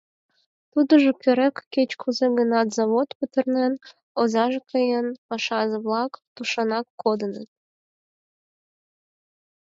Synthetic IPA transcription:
t̪ud̪əʒokøɾekːet͡ɕkʰuzeɡənɑt̪zɑβot̪pət̪ə̆rnen | ozɑʒekəjenpɑʃɑʒɤβlɑkt̪uʃɑnɑkːod̪ənət̪̚

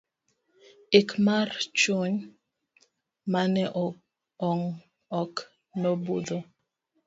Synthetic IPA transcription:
ekmart͡ʃoɲ | manɛʔɔ | ɔŋ | ɔk | nɔbud̪o

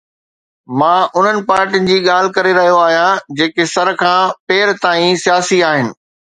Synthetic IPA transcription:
mãːʔʊn̤ənɪ̆paːɾʈinɪ̆d͡ʑiːɠaːl̤ɪkɐɾeɾɐɦijoaːɦijãd͡ʑeːkesɐɾkʰãːpeːɾt̪aːĩsijaːsiaːɦɪnɪ̆

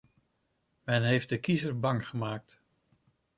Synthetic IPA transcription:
mɛnɦejft̚dəkizəɹbɑŋχəmaːk̚t

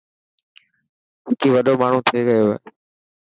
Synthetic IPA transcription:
ɪkiːʋɐɗomaːɳ̤ũt̪ʰɐeɡɐjoɦḛː

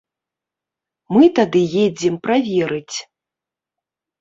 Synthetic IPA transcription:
mɨt̪ad̪ɨjed͡zʲɛmpɾavʲɛɾɨt͡sʲ

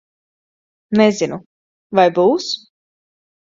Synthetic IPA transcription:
nɛzinu | vajbuːs

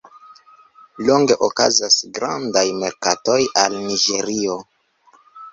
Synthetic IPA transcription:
lo̞ŋɡe̞ʔokazasɡɾandajme̞ɾkato̞jalniɡe̞ɾio̞

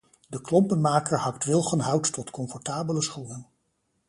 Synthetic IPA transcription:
dəklɔmpənmaːkəɹɦɑktʋɪlˠχənɦʌwtːɔtkɔmfɔɹtaːbələsχunən

